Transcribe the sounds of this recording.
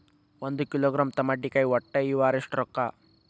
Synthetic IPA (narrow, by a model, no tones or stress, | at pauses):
wond̪ukiloːɡɾaːmt̪ɐmɐɖːikɐjɔʈːeiʋaːɾiʂʈɾɔkːa